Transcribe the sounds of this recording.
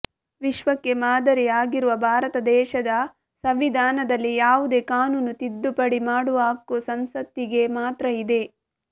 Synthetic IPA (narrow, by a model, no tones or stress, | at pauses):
ʋiʃʋɐkːe̞maːd̪ɐɾijaːɡiɾuʋɐbʱaːɾɐt̪ɐd̪ɛːʃɐd̪ɐ | sɐʋid̪ʱaːnɐd̪ɐlːijaːʋud̪e̞ːkaːnuːnut̪id̪ːupɐɽimaːɽuaːkusɐmsɐt̪ːiɡe̞maːt̪ɾɐid̪e̞